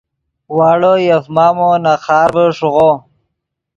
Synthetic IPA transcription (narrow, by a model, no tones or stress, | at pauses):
waːɭojafmaːmonaxaːɾbəʂuɣo